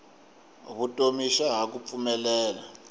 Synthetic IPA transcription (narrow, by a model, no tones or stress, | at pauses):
βutʼomiʃaɦak̬up̪fumɛlɛːla